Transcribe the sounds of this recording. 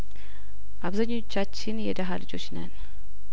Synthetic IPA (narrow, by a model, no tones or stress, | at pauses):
ʔaβzaɲːot͡ʃːat͡ʃːɪnjɛd̪əɦalɨd͡ʒo̞t͡ʃːnə̰n